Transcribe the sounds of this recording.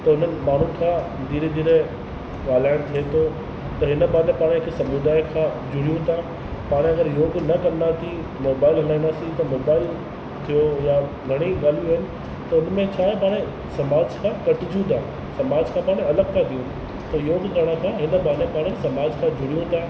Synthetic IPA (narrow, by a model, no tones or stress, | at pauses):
t̪ɐʊn̤ənɪ̆maːɳ̤ũkʰãː | d̪iːɾed̪iːɾe | ʋaːlaːɪ̃ɽ̃t̪ʰiet̪ʰo | t̪ɐɦɪnəbaːɾl̃paːɽ̃ɦɪkʰsɐmud̪aːikʰãːd͡ʑʱʊɽijũt̪ʰa | paːɽ̃eɐɡəɾjoːɡnɐkɐndat̪ʰi | moːbaːɪlɦɐlaːĩnd̪asit̪ɐmoːbaːɪl | t̪ʰijoja | ɡʱɐɽ̃iɠaːl̤ijuaːɦɪnɪ̆ | t̪ɐʊnmẽt͡ɕʰaːpaːɽ̃e | sɐmaːd͡ʑkʰãːkɐʈɪd͡ʑũt̪ʰaː | sɐmaːd͡ʑkʰãːpaːɽ̃eɐləɡ̚kʰat̪ʰijũ | t̪ɐjoːɡ̪ʰɐɽ̃akʰãːɦɪnə̆baːɾlepaːɽ̃esɐmaːd͡ʑkʰãːd͡ʑʱʊɽijũt̪ʰaː